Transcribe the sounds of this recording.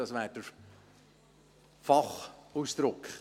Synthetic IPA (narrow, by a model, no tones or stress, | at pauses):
ɑsʋæːɾd̥əɾ | fɑχusd̪̥ɾʊkχ